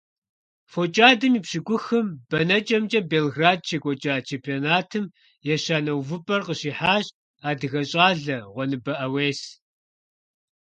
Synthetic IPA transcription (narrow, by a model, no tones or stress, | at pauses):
fot͡ʃʼaːdɨmiːpɕɪɡʷʊxɨmb̥ɐnɐt͡ʃʼɐmt͡ʃʼɐbeːlɣraːd̚t͡ʃʰekʷʼɔt͡ʃʼaːt͡ʃʰeːmpʰioːnaːtʰɨm | jɛɕaːnɐwvɨpʼɐrqəɕiːħaːɕ | aːdɨɣɐɕʼaːɮɐʁʷɔnɨbɐʔɐweːs